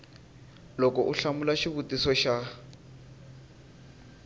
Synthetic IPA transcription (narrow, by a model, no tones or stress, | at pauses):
lɔkɔʔuɬamulaʃiβutʼisɔʃa